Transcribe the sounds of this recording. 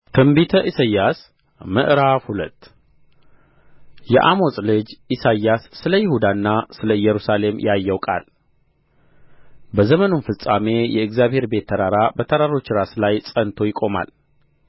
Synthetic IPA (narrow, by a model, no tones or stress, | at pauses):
kʰɨmbit̪ʰəʔisajːas | mɨ̰ʔɾafhulət̪ː | jɛ̰ʔamo̞sʼlɨd͡ʒisajasːɨləjɪhud̪anːasɨləjːɛɾusale̞mjajːəwkʼa̰l | bəzəmənunfɨsʼame̞jɛɨɡzjaβhe̞ɾbe̞t̪ʰːəɾaɾabət̪ʰəɾaɾo̞t͡ʃːɾaslajsʼənt̪ʰo̞jɪkʼo̞ma̰l